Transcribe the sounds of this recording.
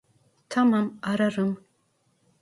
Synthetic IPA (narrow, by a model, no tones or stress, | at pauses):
tʰamamaɾɐrɨm